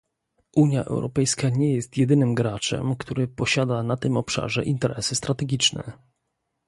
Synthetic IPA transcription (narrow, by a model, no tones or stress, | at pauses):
ʔuɲjaʔɛ̰wɾɔpɛjskaɲɛjɛst̪jɛd̪ɘnɘmɡɾat͡ʂɛ̰mkt̪uɾɘpɔɕad̪anat̪ɘmɔpʂa̰ʐɛʔint̪ɛɾɛsɘst̪ɾat̪ɛɡʲit͡ʂnɛ̰